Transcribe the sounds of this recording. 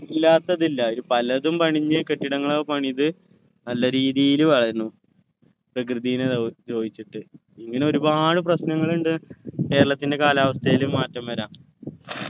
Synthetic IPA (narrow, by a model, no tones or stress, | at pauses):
ilːaːt̪ːɐðilːɐoɾupɐlɐðumpɐɳiɲːɨke̞ʈːiɽɐŋːɐɭopɐɳiðɨ | nɐlːɐɾiːðijiluʋɐɭɐɾnːu | prɐk̬rɨðijinɨd͡ʑo̞ːd̪it͡ɕːiʈːɨ | iŋːɐne̞o̞ɾubaːɽɨp̬rɐɕnɐŋːɐɭuɳɖɨke̞ːɾɐɭɐt̪ːinde̞kaːlaːʋɐst̪ʰɐjilumːaːtːɐmʋɐɾaːm